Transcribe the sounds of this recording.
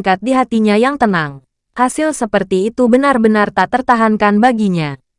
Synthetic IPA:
ŋkat̪̚diɦat̪iɲajaŋt̪ənaŋ | hasɪlsəpərt̪iːt̪ubənarbənart̪at̪ərt̪aɦankanbaɡiɲa

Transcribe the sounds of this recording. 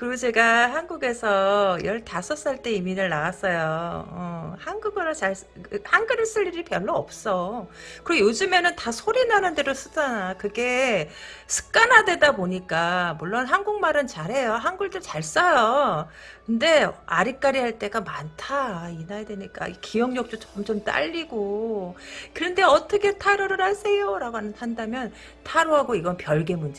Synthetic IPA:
kɯɾɡut͡ɕe̞ɡaɦanɡuɡe̞sʰʌjʌɭtasʰʌs͈ɯɭt͈e̞iminɯɭnaas͈ʌjoʌhanɡuɡɯɾɯt͡ɕaɭs | hanɡɯɾɯɭs͈ɯʎːiɾipjʌɭːʌːp̚s͈ʌ | kɯɾejod͡ʑɯme̞nɯntasʰoɾinanɯnde̞dos͈ɯd͡ʑanakɯɡe̞ | sʰɯ̥k̚k͈anadwe̞daboɲik͈amuɭːonɦanɡuŋmaɾɯnt͡ɕaɾɦe̞joɦanɡuɭdɯɭt͡ɕaɭs͈ʌjo | kɯnde̞aɾik͈aɾiɦaɭt͈e̞ɡamantʰainajadwe̞ɲik͈a̰ikʰijʌŋɲʌk̚t͈ot͡ɕʌmt͡ɕomt͈a̰ʎːiɡo | kɯɾʌnde̞ʌt͈ʰʌkʰe̞tʰaɾoɾɯɾhas͈ʰe̞joɾaɡoɦanɯnhandamjʌn | tʰaɾoɦaɡoiɡʌnpjʌɭɡe̞mund͡ʑe

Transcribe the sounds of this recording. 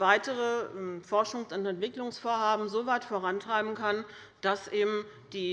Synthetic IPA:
vaɪtəʁəʔɛfɔɐʃʊŋsʊntɛntv̥ɪklʊŋsfoːɐɦaːbm̩zoːvaɪtfoːʁantʁ̥aɪbm̩kʰan | d̥asʔeːbm̩ | d̥iː

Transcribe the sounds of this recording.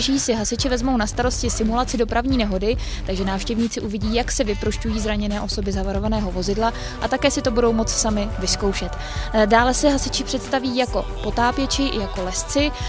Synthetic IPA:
ʒiːsɪɦasɪt͡ʃɪvɛzmo̞wnast̪aɾo̞scɪsɪmulat͡sɪdo̞pɾavɲiːnɛɦo̞dɪ | t̪aɡʒɛnaːfʃcɛvɲiːt͡sɪʔuvɪɟiːjaksɛvɪpɾoʃcujiːzɾaɲɛnɛːʔo̞so̞bɪzavaɾo̞vanɛːɦo̞vo̞zɪdla | ʔat̪akɛːsɪt̪o̞budo̞wmo̞t͡ssamɪvɪsko̞wʃɛt̪ | daːlɛsɛɦasɪt͡ʃɪpr̥ɛt̪st̪aviːjako̞po̞t̪aːpjɛt͡ʃɪʔɪ̰jako̞lɛst͡sɪ

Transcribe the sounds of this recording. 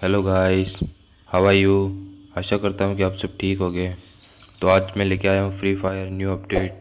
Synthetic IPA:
hɛloːɡaːɪs | hɐʋaːjuːaʃakɐɾt̪aɦũkiaːpsɐb̚ʈʰiːkɦoːɡəe | t̪oaːd͡ʒmẽleːkeaːjaɦũfɾiːfaːjəɾnjuːɐpɖeːʈ̚

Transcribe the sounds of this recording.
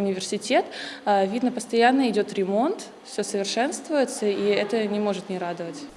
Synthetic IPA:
ʊnʲɪvʲɪrsʲɪtʲet̪avʲid̪nəpəst̪ɐjanːəɪdʲo̞t̪ɾʲɪmo̞nt̪ | fsʲɵsəvʲɪrʂɛnst̪vʊjɪt̪səiɛt̪ənʲɪmo̞ʐɨt̪nʲɪɾad̪əvətʲ

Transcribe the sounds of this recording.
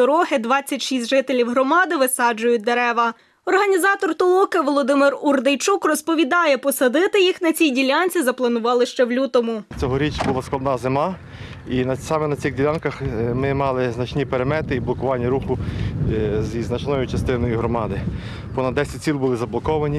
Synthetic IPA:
ɔɾɔɦɪd̪ʋɑt͡sʲːɐtʲʃisʲt̪ʲʒɪt̪elʲiwɦɾɔmɑd̪ɪʋɪsɑd͡ʒʊjʊt̚ʲd̪eɾɛʋɐ | ɔrɦɐnʲizɑt̪ɔrt̪ɔlˠɔkɐʋɔlˠɔd̪ɪmɪrurd̪ejt͡ʃukrɔspɔʋʲid̪ɑjɛpɔsɐd̪ɪt̪ɪjixnɐt͡sʲijdʲilʲanʲt͡sʲizɐplˠɐnʊʋɑlˠɪʃt͡ʃɛwlʲut̪ɔmʊt͡sʲɔɦɔɾʲit͡ʃbʊlˠasklˠɐd̪nɑzɪmɑ | inɐsɑmɛnɐt͡sʲiɣdʲilʲankɐxmɪmɑlˠɪznɐt͡ʃnʲipeɾemɛt̪ɪiblˠɔkʊʋɑnʲːɐɾuxʊ | zʲiznɐt͡ʃnɔjʊt͡ʃɐst̪ɪnɔjʊɦɾɔmɑd̪ɪ | pɔnɐd̪ːɛsʲɐt̚ʲt͡sʲilʲˠbʊlˠɪzɐblˠɔkɔʋɐnʲi

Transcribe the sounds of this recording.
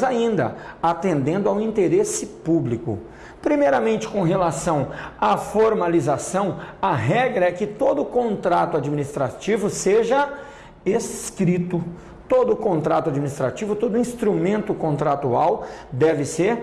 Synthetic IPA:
zaĩnd̪ɐ̰at̪ẽnd̪ẽnd̪ʊawĩnt̪eɾesɪpublikʊ̰ | pɾimejɾɐmẽnt͡ʃɪ̥kõɦelasɐ̃w̃afoɾmalizasɐ̃w̃ɐɦɛɡɾɐɛkɪt̪od̪ʊkõnt̪ɾat̪ʊad͡ʒiminist̪ɾat͡ʃivʊseʒɐ | eskɾit̪ʊ | t̪od̪ʊkõnt̪ɾat̪ʊad͡ʒiminist̪ɾat͡ʃivʊt̪od̪ʊĩst̪ɾumẽnt̪ʊkõnt̪ɾat̪uawd̪ɛvɪseɾ

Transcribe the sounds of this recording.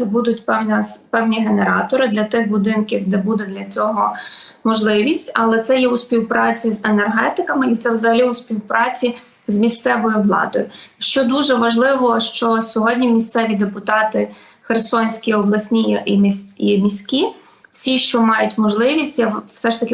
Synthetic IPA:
ɛbud̪ʊtʲɛnʲɐpɛwnʲiɦeneɾɑ̰t̪ɔɾɪd̪lʲɐt̪ɪxbʊd̪ɪnkʲiwd̪ɛbud̪ɛd̪lʲɐt͡sʲɔɦɔ | mɔʒlˠɪʋʲisʲtʲɐlˠɛt̪sɛjɛʊsʲpʲiwpɾɑt͡sʲizenerɦɛt̪ɪkɐmɪit̪sɛwzɐɦɐlʲiʊspʲiwpɾɑt͡sʲi | zmʲist̪sɛʋɔjʊʋlˠɑ̰d̪ɔjʊʃt͡ʃɔd̪uʒɛʋɐʒlˠɪʋɔʃt͡ʃɔsʲɔɦɔdʲnʲimʲist̪sɛʋʲid̪epʊt̪ɑt̪ɪ | xersɔnʲsʲkʲiɔblˠɐsʲnʲijʔimʲisʲimʲisʲkʲi | wsʲiʃt͡ʃɔmɑjʊtʲmɔʒlˠɪʋʲisʲtʲjḁsɛʃt̪ɐkɪ

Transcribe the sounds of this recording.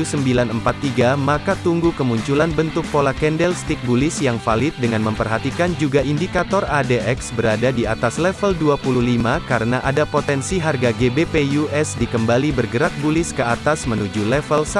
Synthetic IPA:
usəmbilanəmpat̪ːiɡamakat̪uŋɡukəmuɲt͡ʃulanbənt̪ʊk̚polakɛndɛlst̪ik̚bulɪsjaŋfalɪt̪̚dəŋanməmpərɦat̪ikand͡ʒuɡaʔindikat̪ɔradeʔɛksbəɾadadiat̪aslɛfəlduapululimakaɾənaʔadapot̪ɛnsiɦarɡaɡebepejuɛsdikəmbalibərɡəɾak̪̚bulɪskəat̪asmənud͡ʒulɛfəls

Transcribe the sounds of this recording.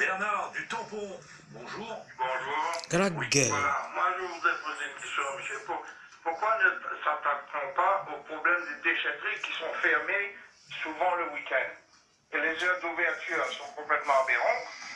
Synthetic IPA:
bɛʁnaʁd̪yt̪ɑ̃po | bɔ̃ʒuːʁbɔ̃ʒuːʁɡʁakɡɛlamwaʒəvud̪ʁɛpozeynkʲɛst̪jɔ̃ɔsypuʁ | puʁkwanət̪sat̪ak̚t̪ɔ̃paʔopχɔblɛmd̪ed̪eʃɛt̪ʁikʲisɔ̃fɛʁme | suvɑ̃ləwikʲɛ̃nd̪ | elezœʁd̪uvɛʁt̪yːʁsɔ̃kɔ̃plɛt̪mɑ̃abeʁɑ̃t̪

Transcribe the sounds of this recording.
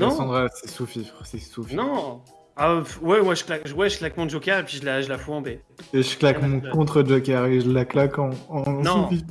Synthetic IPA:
nɔ̃sɑ̃d̪ʁasɛsufifχsɛsufnɔ̃ | afwɛmwaʒə̥klakʒwɛʒəklakmɔ̃d͡ʒokʲɛʁepɥiʒəlaʒəlafuɑ̃beeʒəklakmmɔ̃kɔ̃t̪χəd͡ʒɔkʲɛʁeʒəlaklakɑ̃ːnsufif

